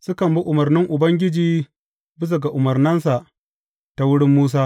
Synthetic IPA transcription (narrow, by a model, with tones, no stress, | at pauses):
sʊ˦kɐ˨mbu˦ʔʊ˨mɐ˨rnɪ˦ŋʔʊ˨bɐ˦ŋɡʲɪ˦d͡ʒiː˦ | bɪ˦s̬ɐ˨ɡa˨ʔʊ˨mɐ˨rnɐ˦nsa˨ʔ | ta˨wʊ˦ɽɪ˦mːuː˦s̬aː˦